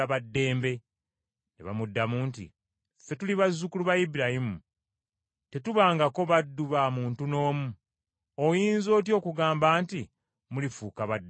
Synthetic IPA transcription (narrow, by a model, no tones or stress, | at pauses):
aβadːe̞ːmbe̞ | neβa̰mudːamuːntḭ | fe̞tuliβazːukuluβajibuɾahimu | te̞tuβaːŋɡako̞βadːuβamuːntuno̞ːmu | ojiːnzo̞ːt̬jo̞ːkuɡaːmbaːnti | mulifuːkaβadː